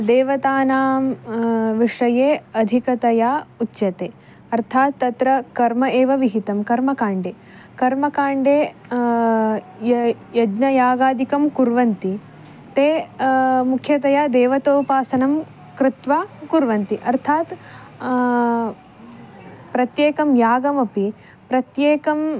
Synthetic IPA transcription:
d̪eːʋɐt̪aːnaːmʋiʂɐjeːɐd̪ʱikɐt̪ɐjaːutːʃjɐt̪eː | ɐɾt̪ʰaːt̪ːɐt̪ɾɐkɐɾmɐeːʋɐʋiɦit̪ɐmkɐɾmɐkaːɳɖeː | kɐɾmɐkaːɳɖeː | jɐd͡ʒnɐjaːɡaːd̪ikɐmkuɾʋɐnt̪i | t̪eː | mukʰjɐt̪ɐjaːd̪eːʋɐt̪oːpaːsɐnɐm | kɾɪt̪ʋaːkuɾʋɐnt̪iʔɐɾt̪ʰaːt̪ | pɾɐt̪jeːkɐmjaːɡɐmɐpi | pɾɐt̪jeːkɐm

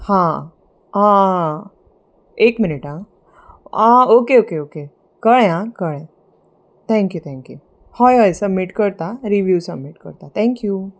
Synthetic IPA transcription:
hã | ɦã | ekminiʈã | ãokeokeoke | kəɭẽɦãkəɭẽ | t̪ʰɛ̃ŋkjut̪ʰɛ̃ŋkjṵ | hɔjɦɔjsəbmiʈkəɾt̪aɾiʋjuːsəbmiʈkə̰ɾt̪at̪ʰɛ̃ŋkju

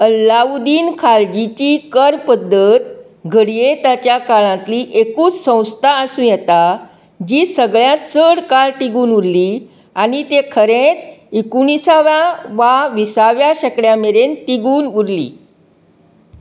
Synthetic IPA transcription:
əlːaud̪iːnkʰald͡ʑit͡ɕiːkəɾpəd̪ːət̪ | ɡʱəɽijet̪at͡ɕjakaɭãt̪liːʔekuːt͡ssə̃w̃st̪ʰaəsũːjɛt̪a | d͡ʑiːsəɡɭjat͡səɽkaɾʈiɡuːnuɾli | anit̪ekʰəɾẽt͡sekuɳ̃isaʋjaʋaʋisaʋjaɕəkɭjameɾent̪iɡuːnuɾlḭː

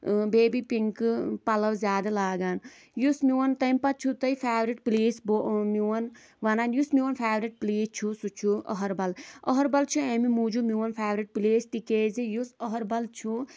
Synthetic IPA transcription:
beːbipiŋkpɐlɐwzʲjaːd̪ɐlaːɡaːn | jusmiwɐnt̪ɐmpɐt̪̚t͡ʃʰut̪ɐifʰaːʋɾiʈpliːsbomiwɐn | ʋɐnaːnjusmiwɐnfʰaːʋɾiʈ̚pliːt͡ʃʰusut͡ʃʰuʔɔ̰ɦɐɾbɐlɔɦɔɾbɐlt͡ʃʰuemimuːd͡ʒumiwɐnfʰaːʋɾiʈ̚pleːsʈikeːzijusɔɦɐɾbɐlt͡ʃʰu

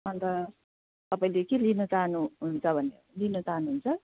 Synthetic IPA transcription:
ʌnt̪ʌ | t̪ʌpaĩlekelinʌt͡saɦnuɦunt͡sʰʌbʱʌne | linʌt͡saɦnuɦunt͡sʰʌ

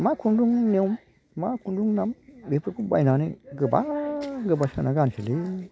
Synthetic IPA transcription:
makʰunduŋnewm | makʰunduŋnambepɾɯkʰubajnaniɡɯba̰ɡɯbasenaɡansʰeli

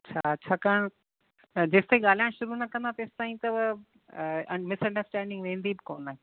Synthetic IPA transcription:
ɐt͡ɕʰaɐtːɕʰaːkaɽ̃ | d͡ʑeːst̪eːɠaːl̤ijãʃʊɾunɐkɐ̃nd̪at̪ɐɪst̪aːĩt̪ɐʋ | ɐmɪsɐ̃ɳɖəɾsʈɛ̃ːɳɖɪ̃ŋɡʋẽːnd̪ibɪkoːnaːɦe

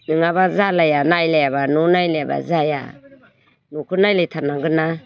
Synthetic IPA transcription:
nɯŋaβazalajanajlajaβanunajleaba̰zaja̰ | nukʰɯnajlajtʰanaɡɯna

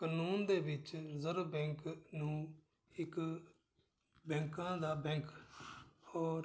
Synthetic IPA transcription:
kanuːnd̪eːbɪt͡ʃɾəzəɾbɛ̃ːŋknũː | ɪk | bɛ̃ːŋkãːd̪aːbɛ̃ːŋk | ɔːɾ

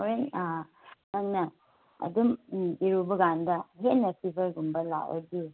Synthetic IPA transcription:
oɾen | naŋnɐ | ɐ̰dumiɾubɐɡandɐɦetnɐpʰibʱɐɾɡumbɐla̰ɐ̰di

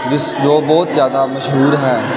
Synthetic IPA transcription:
d͡ʒɪsd͡ʒoːbɔːt̪zjaːd̪aːmɐʃɦuːɾɦɛː

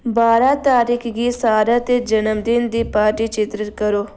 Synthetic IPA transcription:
baːɾat̪aːɾikʰɡisaːɾat̪ed͡ʒɐnəmd̪ind̪ipaːɾʈit͡ʃɪt̪ɾəkɐɾoː

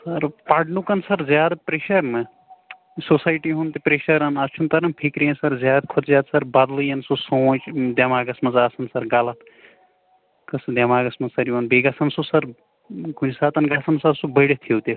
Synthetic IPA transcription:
sɐɾpaːɖnukɐnsɐɾzʲjaːd̪pɾeːʃɐɾnɐ | sosaːjʈiɦunt̪ipɾeːʃɐɾɐnɐt͡ʃʰunt̪ɐɾɐnpʰikɾiɐ̃nsɐɾzʲjaːd̪̚kʰot̪zjaːd̪sɐɾbɐd̪lɨjɐnsusoːt͡ʃd̪ʲjɐmaːɡɐsmɐzaːsɐnsɐɾɡaːlɐt̪ | kɐsd̪jɐmaːɡɐsmɐsɐɾjuʋɐnbeːɡɐsɐnsusɐɾ | ɡʱunʲsaːt̪ɐnɡaːsɐnsɐɾsubɐɽet̪ʰiwt̪e

